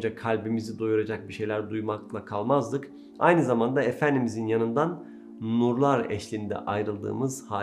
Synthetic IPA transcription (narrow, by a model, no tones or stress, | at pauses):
d͡ʒakʰalʲbimizid̪ojuɾad͡ʒak̚biʃe̞jlʲæɾd̪ujmaklˠakʰalˠmazd̪ˠɯk | a̰jnɯzamand̪aefænd̪imizinjanɯnd̪an | nuɾlˠaɾɛ̰ʃlʲind̪ɛ̰ʔajɾɯlˠd̪ɯ̰ːmɯz̥ha